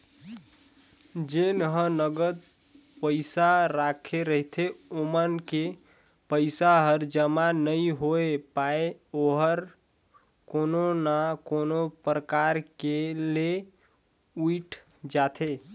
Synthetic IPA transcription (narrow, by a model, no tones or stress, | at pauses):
d͡ʒenɦənəɡəd̪̚ | pəɪsaɾakʰeɾəɦit̪ʰeomənke | pəɪsaɦəɾd͡ʒəmanəjɦoepaeoɦəɾ | kononakonopɾəkaɾkele | uʈʰ | d͡ʒat̪ʰe